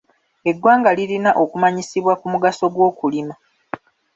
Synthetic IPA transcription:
e̞ɡwaːŋɡaliɾinaʔo̞kumaɲisiβwakumuɡaso̞ɡwo̞ːkulima

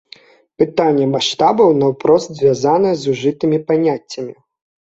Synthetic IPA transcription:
pɨt̪anʲːɛmaʂt̪abɐwnɐwpɾɔst̪zʲvʲjazanɐjɛzuʐɨt̪ɨmʲipanʲat͡sʲːɐmʲi

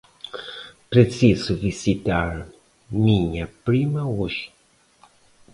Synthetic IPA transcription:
pɾesizʊvisit̪aɾ | mĩɲɐpɾimɐuʃ

